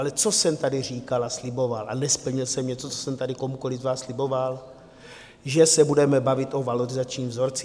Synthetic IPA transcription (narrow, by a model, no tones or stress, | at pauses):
alɛt͡so̞sɛmt̪adɪr̝iːkalaslɪbo̞valʔa̰nɛspl̩ɲɪlsɛmɲɛt͡so̞t͡so̥sɛmt̪adɪkomuko̞lɪzvaːsslɪbo̞val | ʒɛsɛbudɛmɛbavɪt̪ʔovaloɾɪzat͡ʃɲiːmvzo̞ɾt͡s